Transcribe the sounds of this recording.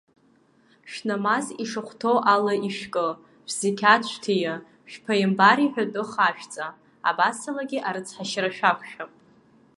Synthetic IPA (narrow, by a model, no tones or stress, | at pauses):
ʃᶣnamaziʂɨχʷtʰowʔalaiʃkʼɨ | ʒz̥ekʲʰat͡ɕʷʰtʰija | ʃᶣpʰajɪmbaɾiħʷᶣatʼʊχaʃᶣt͡sʼa | a̰basalaɡʲiʔaɾɨt͡sʰħaʃraʃᶣakʷʰʃᶣapʼ